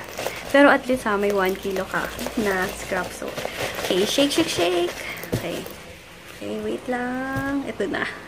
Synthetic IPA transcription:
pɛːɾoʔɐt̪list̪hɐmɐjwankiːlokɐ̰nɐskɹapso̰ʔokejʃejk̚ʃɪkʃejkokɛ̰j | okɛwejt̪laŋʔɛt̪onɐ̰

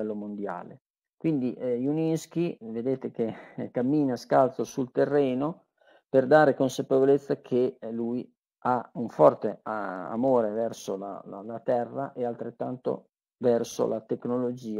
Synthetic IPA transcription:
ɛlːomond̪ja̰ːle | kwind̪iʔjunisk̟ived̪eːt̪ekekːamːiːnaskalt̪sosult̪erːɛːno | perd̪aːɾekonsapevolet̪sːakʰeluj | auɱfɔrt̪ea̰moːɾevɛrsola̰lalat̪ɛrːa̰ʔealt̪ɾet̪ːant̪o̰ | vɛrso̰lat̪eknolod͡ʒiːa

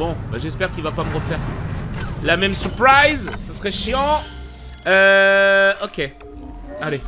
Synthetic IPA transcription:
bɔ̃baʒɛspɛʁkʲilvapaməʁəfɛʁ | lamɛmsyʁpχijzsasʁɛʃjɑ̃ | ø | ɔkʲe | ale

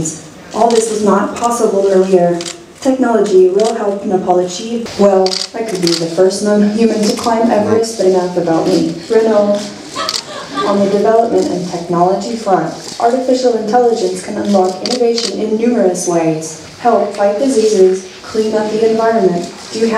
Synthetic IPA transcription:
z̥ | ʔɔlˠðɪsɨznət̚pʰɑsəbl̩ˠə̃iɹ | tʰɛk̚nɑlˠəd͡ʒiwɪlˠhɛlˠp̚nəpʰɑlˠəd͡ʒiwɛlˠɨkʰɨd̚biðɨfɜ˞snʌ̃mjʉmɨ̃ntʰɨkʰl̥ãɪ̃mʔɛvə˞ɨsðɨɾɨ̃nãʊθɨbaʊʔ̚mi̥ɹɪnoʊ | ə̃nðɨdɨvɛlˠəp̚mɨ̃ñtɨ̰̃ntʰɛk̚nɑlˠəd͡ʒifɹʌ̃n | ʔɑɹɾɨfɪʃl̩ˠə̃ntʰɛlˠəd͡ʒɨ̃nskʰɨ̃nə̃nlɔkɪ̃nɨveɪʃɨ̃nɪ̃nːʉmə˞ɨsweɪz̥ | hɛlˠpfaɪt̚d̥ɨzizɪz̥ | kʰl̥ĩnʌp̚ðiɨ̃ɱvaɪɹɨ̃nmɨ̃n | d̥ɨ

